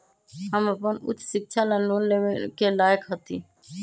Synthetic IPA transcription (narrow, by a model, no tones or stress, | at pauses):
ɦəməpənʊ̰t͡ʃʰːsɪk̚t͡ʃʰalãloːnleʋkelaːjəkɦət̪iː